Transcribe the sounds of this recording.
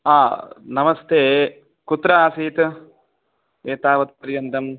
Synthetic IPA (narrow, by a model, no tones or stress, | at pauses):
aːnɐmɐst̪ʰeː | kut̪ːɾɐaːsiːt̪ | eːt̪aːʋɐt̪̚pɐɾjɐnd̪ɐm